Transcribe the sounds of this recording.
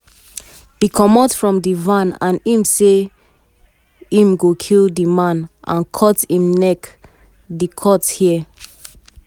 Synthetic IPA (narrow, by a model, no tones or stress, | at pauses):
bikʰɔmɔtfɹɔ̃mdivãnã̰nĩmse | ĩmɡokʰilˠdimãnʔã̰nkʰɔtĩmnɛk | dikʰɔthi